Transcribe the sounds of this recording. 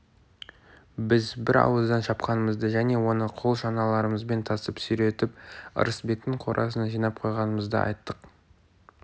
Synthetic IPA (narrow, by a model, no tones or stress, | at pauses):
bɪzbɪɾɑ̰wəzd̪ɑnʃɑpqɑnəməzd̪əʒæne̞wo̞nəqʰo̞lˠʃɑnɑlˠɑɾəməzbe̞nt̪ʰɑsəpsʏɾe̞t̪ɪpə̰ɾəsbe̞k̚t̪ɪɴqʰo̞ɾʔɑ̰sənɑʒijnɑp̚qʰo̞jʁɑnəməzd̪ə̰ʔɑ̰jt̪ːəq